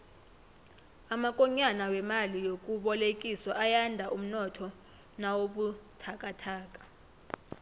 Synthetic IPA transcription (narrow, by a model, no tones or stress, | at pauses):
amakʼɔɲanawɛmalijok̬ʼuɓɔlekʼiswaʔajandʱaʔum̩nɔtʰɔ | nawoɓutʰakʼatʰaːkʼḁ